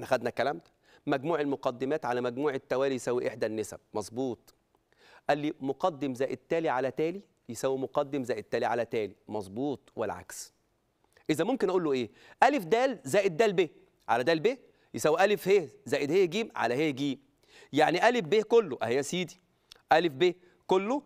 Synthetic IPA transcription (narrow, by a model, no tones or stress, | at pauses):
ħnæxæd̪nækælæmd̪æ̥ | mæɡmuːʕelmoqɑd̪ːemæːt̪ʕalæmæɡmuːʕet̪ːæwæːlijesæwːiʔeħd̪ænːesæ̰b̥̚mɑzˤbuːt̪ˤ | ʔælːimoqɑd̪ːemzæːjʔet̪ːæːliʕalæt̪æːli | jesæːwimoqɑd̪ːemzæːjʔet̪ːæːliʕalæt̪æːlimɑzˤbuːt̪ˤwelʕa̰ks | ʔezæmomkenʔæʔuːlːoʔeː | ʔælefd̪æːlzæːjʔed̪̚d̪æːlbe | ʕa̰læd̪æːlbe | jesæwːiʔælefhehzæːʔed̪heːɡiːmʕa̰læheːhɡiːm | jaʕniʔælefbekolːoʔæhejːæsiːd̪i̥ | ʔælefbe | kolːo